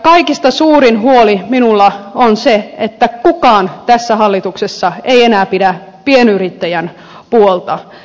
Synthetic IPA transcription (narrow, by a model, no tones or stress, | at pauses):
kɑikist̪ɑsuːɾinhuoliminulːɑonseet̪ːækukɑːnt̪æsːæhɑlːit̪uksesːɑeienæːpidæ | pienyrit̪ːæjæn | puolt̪ɑ